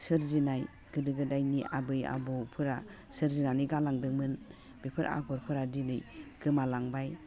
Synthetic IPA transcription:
sɯɾzinaj | ɡ̥ɯdɯɡɯdajniʔa̰bɯja̰bɔpʰɯɾa | sɯɾzinanɯjɡalaŋdɯŋmɯn | bipʰɯɾa̰ɡɔɾpʰɯɾadinɯjɡ̥ɯmalaŋbaj

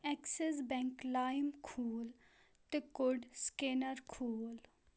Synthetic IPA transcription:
ɛkses̬bɛ̃ŋklaːjmkʰuːl | t̪ekʊɖskenəɾkʰuːl

